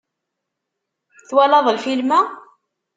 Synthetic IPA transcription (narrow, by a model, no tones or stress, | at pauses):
θwælɑðˤəlfilmæ